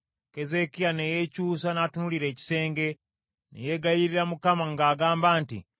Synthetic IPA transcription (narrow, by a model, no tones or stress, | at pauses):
ke̞ze̞kijanejecuːs̬anaːtunuliɾe̞ːci̥se̞ːŋɡe̞ | nḛjeɡajiɾiɾamukamaŋɡaːɡaːmbaːntḭ